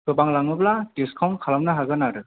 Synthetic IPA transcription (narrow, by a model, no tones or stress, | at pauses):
kɯbaŋlaŋɯblatiskʰawnkʰalamnaɦaɡɯnaɾɯ